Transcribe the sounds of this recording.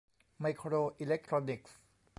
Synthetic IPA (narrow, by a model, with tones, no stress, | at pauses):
ma˧jkʰɾoː˧ʔi˧le˦˥k̚t̪ʰɾoː˧ni˨˩k̚s